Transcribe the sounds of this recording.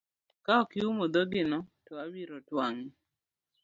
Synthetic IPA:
kaɔkɪumod̪ɔɡɪnɔtɔawiɾɔtwaŋɪ

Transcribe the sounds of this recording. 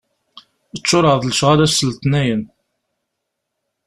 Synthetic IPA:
ət͡ʃːʊɾˤəðˤləʃʁaɾæsːəlt̪næjən

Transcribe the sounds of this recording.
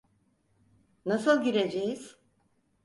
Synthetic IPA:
nasɯlˠɟiɾed͡ʒejiz̥

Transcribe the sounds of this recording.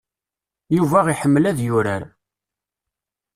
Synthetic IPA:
juvæʁiħəmːlæðjʊɾæɾ

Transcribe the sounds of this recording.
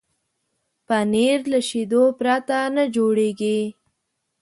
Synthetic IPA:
paneɾlaʃid̪opɾat̪anəd͡ʒoɽeɡi

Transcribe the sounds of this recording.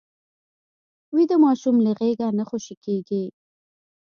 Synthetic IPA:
wid̪əmɑʃumləɣeɡanəxoʃikeɡi

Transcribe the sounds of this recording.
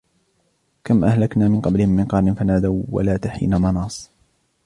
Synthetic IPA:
kamʔahlaknaːmɪnqɑblɪhɪmːɪnqɑɾˤnɪnfanaːd̪awwa̰laːt̪aħḭːnamɑnɑːsˤ

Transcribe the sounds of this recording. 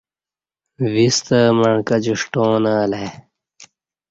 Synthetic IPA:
vist̪ɐmɐɳkɐd͡ʑuʂʈõːnaːle

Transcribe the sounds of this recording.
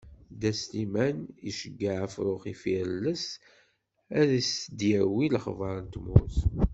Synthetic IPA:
d̪æst̪imæniʃəɡːaʕæfɾʊχifiɾələs | æðisd̪jæwilχvɑɾˤənt̪mʊθ

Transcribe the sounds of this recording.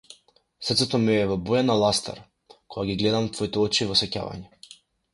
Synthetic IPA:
srt̪sɛt̪ɔmɛɛvɔbɔjanalˠast̪a̰ɾ | kʰɔɡaɡʲiɡlɛd̪amt̪vɔit̪ɛɔt͡ʃivɔsɛca̰va̰ɲɛ

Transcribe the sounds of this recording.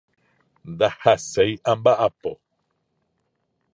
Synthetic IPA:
nd̪ahasejãmbaʔapo

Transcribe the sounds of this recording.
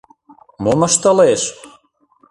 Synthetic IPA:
momə̆ʃt̪ə̆leʃ

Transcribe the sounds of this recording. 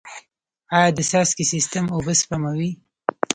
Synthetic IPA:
ɑjɑd̪əsɑskisist̪əmobəspamawi

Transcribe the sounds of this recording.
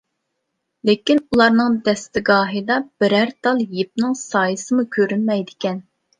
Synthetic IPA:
lɪkʲinulˠɑɾnɨŋd̪ɛst̪ɪɡɑːɦɨd̪ɑb̥ɪɾæɾt̪ʰɑlˠjep̚nɨŋsɑːjɨsɨmukʲʰøɾynmɛjd̪ɪkʲɛn

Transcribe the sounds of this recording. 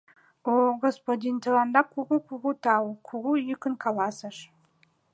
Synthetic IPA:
oɡospod̪ʲint̪ʰəlɑnd̪ɑkʰuʁukʰuʁut̪ʰɑwkʷʰuʁujykə̆nkʰɑlɑsəʂ

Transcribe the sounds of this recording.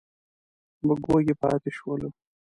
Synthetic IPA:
məɡoɡepɑ̰ːt̪eʃwəlu

